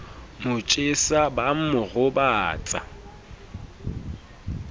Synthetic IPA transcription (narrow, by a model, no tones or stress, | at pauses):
mʊt͡ʃʼɪsabam̩mʊɣʊbaːt͡sʼa̰